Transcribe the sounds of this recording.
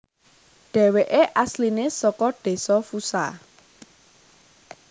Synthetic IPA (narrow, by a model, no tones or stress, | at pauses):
ɖ̥ɛ̤weʔeʔaslinesɔkɔɖ̥e̤sɔfusa̰